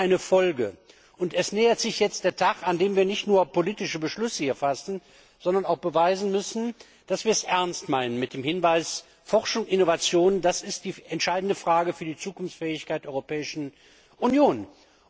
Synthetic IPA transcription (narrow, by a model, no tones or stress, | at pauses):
ʔaɪnəfɔlɡə | ʔʊntɛsnɛːɐtz̥ɪçjɛt͡st̚d̥eːɐtʰaxandeːmviːɐnɪçtnuːɐpoliːtɪʃəbəʃlʏsəhiːɐfasn̩ | z̥ɔndɐnaʊxb̥əvaɪzn̩mʏsn̩ | d̥asv̥iːɐsʔɛɐnstmaɪnənmɪt̚d̥eːmhɪnvaɪs | fɔʁʃʊŋʔɪnovat͡sjoːnəndasɪstd̥iːɛntʃaɪdn̩dəfʁ̥aːɡəfyːɐdiːt͡suːkʊnft͡sfɛːɪçkaɪtd̥ɛʔɔʏʁopʰɛːɪʃn̩ | ʔunjoːn